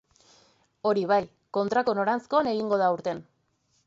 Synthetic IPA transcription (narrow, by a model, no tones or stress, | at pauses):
o̞ɾiβ̞aj | ko̞nt̪ɾako̞no̞ɾant͡sko̞ane̞ɣ̞iŋɡo̞ð̞auɾt̪e̞n